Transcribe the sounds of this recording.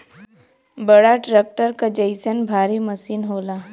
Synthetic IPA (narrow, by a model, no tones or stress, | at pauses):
bɐɽaʈɾeːk̚ʈəɾkad͡ʒəɪsənbʱaːɾimɐsiːnɦoːlaː